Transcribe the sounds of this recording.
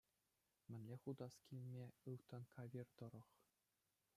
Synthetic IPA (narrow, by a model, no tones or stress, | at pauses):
mʲɘ̆nʲlʲeχud̪ɑskʲilʲmʲeɯʋt̪ɤ̆nkʰɑʋʲird̪ɤ̆ɾɤ̆χ